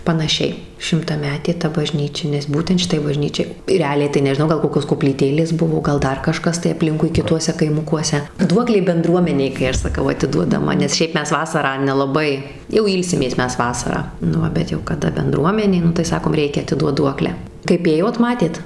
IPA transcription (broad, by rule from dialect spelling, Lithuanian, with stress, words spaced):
pɐnɐˈʃʲɛɪ ʃʲɪmtɐˈmʲæːtʲeː tɐ bɐˈʒʲnʲiːt͡ʃʲɛ nʲɛs ˈbuːtʲɛnt ʃʲɪˈtɐɪ bɐˈʒʲnʲiːt͡ʃʲɛɪ rʲɛˈɑːlʲɛɪ tɐɪ nʲɛʒʲɪˈnɐʊ ˈɡɐlˠ ˈkoːkʲoːs koːpʲlʲiːˈtʲeːlʲeːs ˈbʊʋoː ˈɡɐlˠ ˈdɐr kɐˈʃkɐs tɐɪ ɐˈpʲlʲɪŋkʊɪ kʲɪˈtuɔsʲɛ kɐɪˈmʊkuɔsʲɛ ˈduɔklʲeː bʲɛnˈdruɔmʲɛnʲɛɪ kɐɪ ˈɐʃ sɐˈkɐʊ ɐtʲɪduɔdɐˈmɐ nʲɛs ˈʃʲɛɪp ˈmʲɛs ˈʋɑːsɐrɑː nʲɛlˠɐˈbɐɪ jɛʊ ˈiːlʲsʲɪmʲeːs ˈmʲɛs ˈʋɑːsɐrɑː nʊ ˈʋɐ bʲɛt jɛʊ kɐˈdɐ bʲɛnˈdruɔmʲɛnʲeː ˈnʊ tɐɪ ˈsɑːkoːm ˈrʲɛɪkʲɛ ɐtʲɪˈduɔt ˈduɔklʲæː kɐɪp ˈeːjoːt ˈmɑːtʲeːt